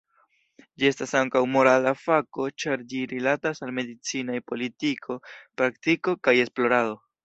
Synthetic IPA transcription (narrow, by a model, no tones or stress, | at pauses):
d͡ʒie̞stasaŋkawmo̞ɾalafako̞t͡ʃaɾd͡ʒiɾilatasalme̞dit͡sinajpo̞litikʰo̞pɾaktiko̞kaje̞splo̞ɾado̞